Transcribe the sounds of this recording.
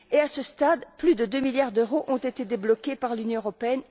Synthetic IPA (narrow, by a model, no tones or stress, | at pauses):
easəst̪ad̪plyd̪əd̪ømiljaʁd̪øʁoʔɔ̃t̪et̪ed̪eblɔkʲepaʁlynjɔ̃øʁɔpeɛn